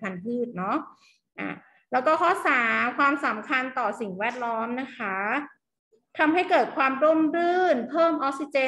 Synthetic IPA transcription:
pʰa˧npʰɯː˥˩t̪̚nɔ˦˥ʔ | ʔa̰ː˨˧˩ | lɛː˦˥wkɔː˥˩kʰɔ˦˥˩saː˩˦kʰwaː˧msa˩˦mkʰa˧nt̪ɔː˨˩si˨˩ŋwɛː˥˩t̪̚lɔː˦˥mna˦˥kʰa˦˥ | t̪ʰa˧mɦa˥˩jkɤː˨˩t̪̚kʰwaː˧mɾo˥˩mɾɯː˥˩npʰɤː˥˩mʔɔː˦˥k̚si˧t͡ɕeː˧

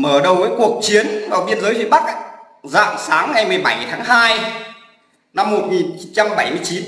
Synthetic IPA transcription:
məː˧˩ɗə˨˩wvəː˨˦jku˨˩ək̚t͡ɕi˨˦ənvaː˨˩wɓi˧ənzəː˨˦jvḭ˧˨ɓa˦˥k̚ | za̰ː˧˨msaː˨˦ŋŋa˨˩jmɨ˨˩əjɓa˧˩jt̪ʰaː˨˦ŋɦaː˧j | na˧mːo˨˩t̚ŋi˨˩nt͡ɕi˨˦nt͡ɕa˧mɓa˧˩jmɨ˧əjt͡ɕi˨˦

